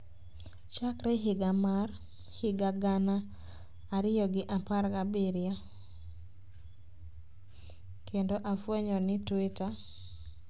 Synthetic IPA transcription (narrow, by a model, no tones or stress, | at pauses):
t͡ʃakɾɛɦɪɡamar | hɪɡaɡanaː | ɾɪjɔɡɪʔaparɡabiɾɪja | kendoʔafweɲɔnɪtweta